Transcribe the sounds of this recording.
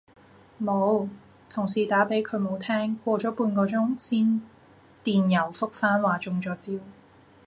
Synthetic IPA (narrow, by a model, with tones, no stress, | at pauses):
mo˨˧w | t̪ʰʊ˨˩ŋsiː˨˩t̪aː˨˥pe˨˥jkʰɵ˨˧ɥmo˨˧wt̪ʰɛː˥ŋkʷɔː˧t͡ʃɔː˨˥puː˧nkɔː˧t͡sʊ˥ŋsiː˥n | t̪iː˨njɐ˨˩wfʊ˥k̚faː˥nwaː˨˩t͡ʃʊ˧ŋt͡ʃɔː˨˥t͡siː˥w